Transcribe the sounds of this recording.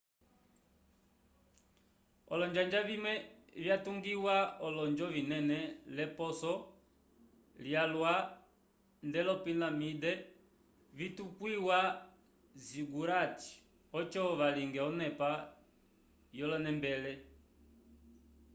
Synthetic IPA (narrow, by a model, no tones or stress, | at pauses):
ɔ̰lɔɲd͡ʒand͡ʒaβimɛvjatuŋɡiwaɔlɔɲd͡ʒɔvinɛnɛlɛpɔsɔ | ljalwa | ndɛlɔpinamidɛ | vitukwiwa | ziɡuɾat͡ʃi̥ | ɔt͡ʃɔβaliŋɡɛɔnɛpa | jɔlɔnɛmbɛlɛ